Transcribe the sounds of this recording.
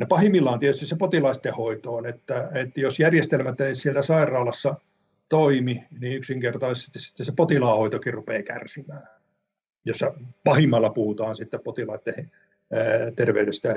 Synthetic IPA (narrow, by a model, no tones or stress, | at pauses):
nepɑhimːilːɑːnt̪iet̪yst̪isepot̪ilɑist̪ːehhoit̪oːnet̪ːæet̪josjærjest̪elmæt̪ːænisielt̪æsɑirˑɑːlɑsːɑ | t̪oiminiyksiŋkert̪ɑisesst̪ːisi̥t̪ːessepot̪ilɑːhoit̪okirrupeːkæ̰rsimæː | josːɑpɑhimːɑlːɑpuhut̪ɑːnsit̪ːeppot̪ilɑit̪ːehi | t̪erʋeyɾest̪æ